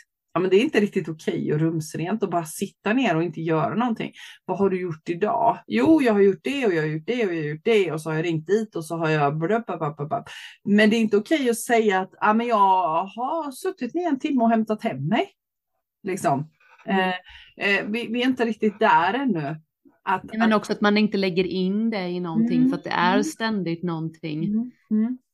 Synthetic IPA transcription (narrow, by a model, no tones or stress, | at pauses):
jɑmɛnd̪ɛɾɪnt̪əɾɪk̚t̪ɪt̪ʊkʰɛjɔɾɵmsɾeːnt̪ɔbɑːɾasɪt̪ːaneːɾɔɪnt̪əjœːɾanɔnt̪ʰɪ̰ŋːvaɦaɖɵjʊʈːɪd̪ɑ̰ːjuːjɑːɡhaɾjʊʈ̚ɖɛɔjɑːhajʊʈ̚ɖɛɔjɑhajʊʈ̚ɖɛɔsɔhaɾjɑɾɪŋt̪̚d̪iːt̪ɔsɔɦaɾjɑbɔɖœpʰːapapːapapmɛnd̪ɛɾɪnt̪əʊkʰɛjːɔsɛjːaːt̪aːmɛnjɑːɡhasɵt̪ːɪt̪mɪɛnt̪ʰɪmːəɔhɛmt̪at̪hɛmːɛj | lɪksɔm | vɪvɪɛɪnt̪əɾɪk̚t̪ɪt̪̚d̪ææɾɛnːɵ | ʔat̪ːmɛnɔksɔat̪manɪnt̪əlɛɡːəɾɪnd̪ɛɪnɔnt̪ʰɪŋːfœɾat̪̚d̪ɛ̰ʔæɾst̪ɛnd̪ɪt̪nɔnt̪ʰɪŋː